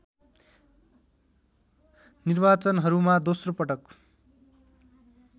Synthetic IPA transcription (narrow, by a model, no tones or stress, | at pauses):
nirbat͡sʌnɦʌɾumad̪osropʌʈʌk